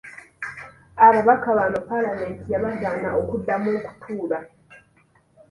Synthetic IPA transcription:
aβaβakaβanopalame̞ntijaβazaːnaokudːamoːku̥tʰuːla

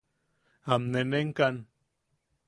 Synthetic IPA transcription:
amneneŋkan

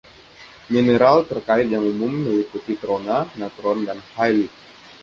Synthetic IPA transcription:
mineɾalt̪ərkaɪt̪̚jaŋumʊmməliput̪it̪ɾonanat̪ɾɔndanhajli

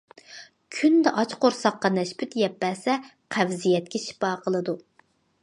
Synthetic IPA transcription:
kʲʰynd̪ɛʔɑt͡ʃqoɾsɑqːɑnɛʃpʰyt̪jɛpːɛːsɛqʰævzijɛt̪̚kʲɛʃi̥pɑːqʰəlˠɨd̪u

